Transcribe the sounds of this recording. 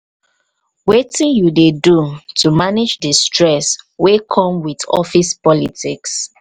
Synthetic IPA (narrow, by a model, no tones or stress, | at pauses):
wetĩnjudedutʰumanid͡ʒdəstɹɛswekʰɔ̃mwidɔ̰fispɔlitiks